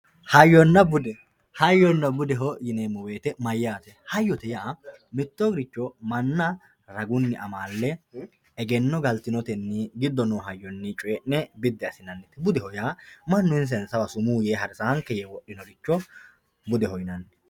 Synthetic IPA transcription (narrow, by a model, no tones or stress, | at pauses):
hɐjːɔnːɐbʊd̪ɛ | hɐjːɔnːɐbʊd̪ɛɦɔjɪneːmːɔweːt̪ɛmɐjːaːt̪ɛhɐjːɔt̪ɛjaː | mɪt̪ːoɡɾɪt͡ʃːɔmɐnːɐ | ɾɐɡʊnːɪʔɐmaːlːɛ | ɛɡɛnːɔɡɐlt̪ɪnɔt̪ɛnːɪɡɪd̪ːɔnoːɦɐjːɔnːɪt͡ʃʼʊjɛʔɛbɪd̪ːɛɐsɪnɐnːɛt̪ːɛbʊd̪ɛhɔjaːmɐnːʊɪns̬ɛnsɐwɐsʊmuːjeːɦɐɾsɐhɐŋkːɛjewɔʔːɪnɔɾɪt͡ʃːɔ | bʊd̪ɛhɔjɪnɐnːɛ